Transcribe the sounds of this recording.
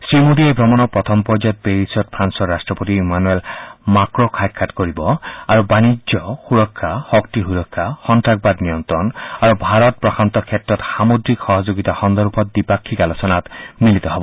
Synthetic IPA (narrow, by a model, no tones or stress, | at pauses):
sɹimod̪iebʱɾɔmɔnɔpɾɔt̪ʰɔmpɔd͡ʒɔt̪̚beɾisɔt̪̚pʰɾansɔɾːasʈɹɔpot̪iimanuelmakɹokʰajkʰːaʈkoɾibɔaɾubanid͡ʒjɔxuɾɔkʰːahɔkt̪iɦuɾɔkʰːahɔntɾak̚bad̪nijɔnt̪ɾɔnaɾubʱaɾɔt̪̚pɾɔkʰant̪ɔkʰet̪ɾɔt̪samod̪ɾikxɔɦɔd͡ʒoɡit̪axɔnd̪ɔɾbʱɔt̪̚bipakʰːikalosɔnat̪milit̪ɔɦɔbɔ